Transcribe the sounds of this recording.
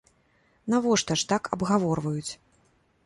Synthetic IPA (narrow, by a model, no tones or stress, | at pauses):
navɔʂt̪ɐʂt̪akʰɐbɣavɔrvɐjut͡sʲ